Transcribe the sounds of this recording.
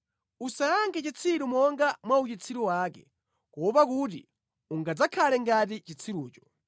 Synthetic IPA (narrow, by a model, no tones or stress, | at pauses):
usaːŋkʰɛt͡ʃit͡sʰiɾumɔŋɡamwaut͡ʃit͡sʰiɾuwaːkɛ̰ | kɔpakutḭ | uŋɡad͡zakʰalɛŋɡat̬it͡ʃit͡sʰiɾuːt͡ʃɔ̥